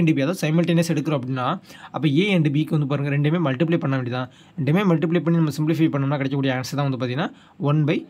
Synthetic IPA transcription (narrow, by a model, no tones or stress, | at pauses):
ɳɖɯbiɐðoːsɐɪmɪlʈɐnesɛɽɯkːɯɾõɐpːɐɽɪnːaːʔɐpːõːeːɛɳɖɯbiːkːɯʋɐnd̪ɯp̬aːɾɯŋɡɐɾɛɳɖɯmeːmɐlʈɪplɐɪpɐɳːɐʋɛɳɖit̪ãː | ɛɳɖɯmeːmɐlʈɪplɐɪpɐɳːinɐmːɐsɪmplɪfɐɪpɐɳːɐmnaːkɪɽɛkːɐkːuɽɪjɐaːnɐsɐt̪ãːɐnd̪ɯpaːt̪iŋɡɐnaː | ɔnbɐɪ